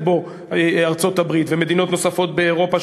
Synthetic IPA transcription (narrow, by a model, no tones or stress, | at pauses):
bo̞ | aʁt͡so̞t̪abʁit̪veme̞d̪ino̞t̪no̞safo̞t̪̚beːʁo̞pa